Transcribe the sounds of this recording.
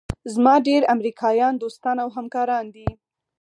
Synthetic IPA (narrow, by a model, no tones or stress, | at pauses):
zmɑɖeɾamɾikʰɑjɑnd̪ost̪ɑnawɦamkɑɾɑnd̪i